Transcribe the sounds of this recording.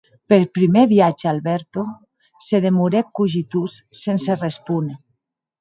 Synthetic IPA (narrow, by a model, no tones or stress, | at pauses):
peɾpɾimeβiad͡ʒealβɛɾt̪o | seð̞emuɾekuʒit̪usːenserespune